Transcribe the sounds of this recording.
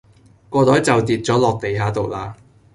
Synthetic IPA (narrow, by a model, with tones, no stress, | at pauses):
kɔː˧t̪ɔː˨˥jt͡sɐ˨wt̪iː˨˩t̚t͡sɔː˨˥lɔː˨k̚t̪e˨jɦaː˨˥t̪o˨wlaː˧